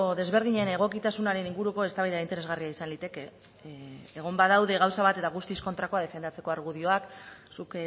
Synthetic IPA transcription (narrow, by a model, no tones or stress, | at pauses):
oðe̞zβe̞ɾðiɲe̞ne̞ɣ̞o̞kit̪asunaɾe̞niŋɡuɾuko̞est̪aβajðaint̪e̞ɾezɣariaisanlit̪e̞ke̞ː | ɣ̞o̞mbaðawðe̞ɣawsaβ̞at̪e̞t̪aɣ̞ust̪isko̞nt̪ɾako̞að̞e̞fe̞nd̪at͡se̞ko̞aɾɣ̞uðio̞aksuk